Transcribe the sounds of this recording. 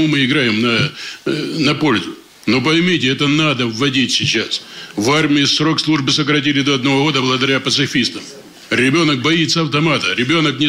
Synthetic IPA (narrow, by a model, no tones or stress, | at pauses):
umɨɪɡɾajɪmnɐ | nɐpo̞lʲzʊ | no̞p̬ɐjmʲitʲɪɛt̪ənad̪əvːɐdʲitʲsʲɪt͡ɕasvarmʲɪɪsːro̞kslˠuʐbɨsəkɾɐt̬ʲilʲɪd̪o̞ɐd̪nɐvo̞ɣo̞d̪əblˠəɡəd̪ɐɾʲapət̪sɨfʲist̪əm | ɾʲɪbʲo̞nək̚bɐit̪sːəɐft̪ɐmat̪əɾʲɪbʲo̞nəknʲɪ